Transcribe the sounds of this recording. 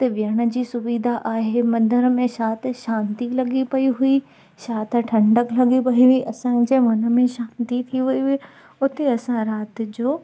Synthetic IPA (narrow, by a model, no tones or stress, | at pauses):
t̪ɐʋɪjəɽ̃ə̆d͡ʑiːsʊʋiːd̪ʱaʔaːɦemɐ̃d̪ʱəɾəmẽʃaːt̪̆ʃãːnt̪ilɐɠipɐiɦui | ʃaːt̪ʰʈʰɐ̃ɳɖəklɐɠipɐiɦʊiʔɐsãd͡ʑeːmɐnə̆mẽʃãːnt̪it̪ʰiʋɐiɦi | ʊt̪eɐsãɾaːt̪ɪ̆d͡ʑoː